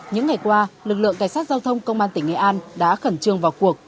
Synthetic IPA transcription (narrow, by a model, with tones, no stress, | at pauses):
ɲɨ̰˧˥ŋa˨˩jkwaː˧lɨ˨˩k̚lɨ̰˧˨əŋkaː˧˩jsa˦˥t̚zaː˧wt̪ʰə˧wŋ͡mkə˧wŋ͡mʔaː˧nt̪ï˧˩ŋ̟ŋɛ̰˧˩ʔaː˧nɗa̰ː˧˥xə˧˩nt͡ɕɨ˧˩əŋvaː˨˩wku˨˩ək̚